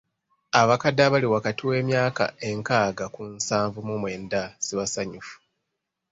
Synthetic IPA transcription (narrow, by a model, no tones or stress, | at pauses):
aβakadaβaliwakatiwe̞ːmjaːka̰e̞ŋkaːɡakunsaːɱvumumwe̞ːndasiβasaɲufu̥